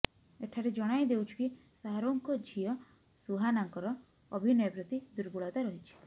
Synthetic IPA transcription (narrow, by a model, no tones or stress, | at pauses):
eʈʰaɾed͡ʒɔɽ̃ajd̪ewt͡ʃʰu̥ki | saɦaɾoŋkɔd͡ʒʱiɔ | suɦanaŋkɔɾɔː | bʱinɔjɔpɾɔt̪id̪uɾbuɭat̪aɾɔɦit͡ʃʰi̥